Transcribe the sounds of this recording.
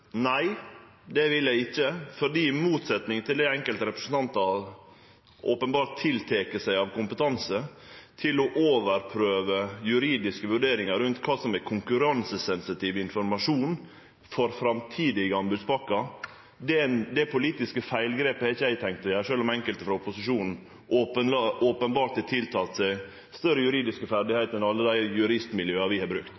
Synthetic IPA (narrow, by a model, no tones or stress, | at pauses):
næɪ | d̪ɛʋɪljæɪɪçːəfɔɾɖ̪iːmuːt̪sɛt̪nɪŋt̪ɪld̪æɛŋkəlt̪əɾɛpɾə̥sn̩t̪ʰɑnt̪ɑʋ | ʔoːpənbɑːɾtt̪ʰːɪlt̪ʰeːkəsæɪɑʋkʰʊmpət̪ʰɑnsət̪ʰɪlɔʔoːʋəɾpʰɾøːʋəjʉɾiːd̪ɪskəʋʉɖeːɾɪŋɑɾʉnt̪kʰɑːsɔmækʰʊŋkʉɾɑnsəsɛnsɪt̪ʰiːʋɪnfɔɾmɑʂuːn | fɔɾfɾɑmt̪ʰiːd̪ɪɡəɑnbʉd̪sbɑkːɑ | d̪ɛd̪ɛpʰʊliːt̪ɪskəfæɪlɡɾeːpəɛɾɪçəæɪt̪ʰɛŋk̚t̪ɔjæːʂøːlɔmɛŋkəlt̪əfɾɑʊpʊsɪʂuːnn̩ | ʔoːpəoːpənbɑːɾʈ̪t̪ɛt̪ʰɪlt̪ʰɑːt̪sæɪ | st̪œɾəjʉɾiːd̪ɪskəfæɾɖɪhæɪt̪ɛnɑlːəd̪æɪjʉɾɪst̪mɪljøːɑɾʋɪhɑɾbɾʉkt̪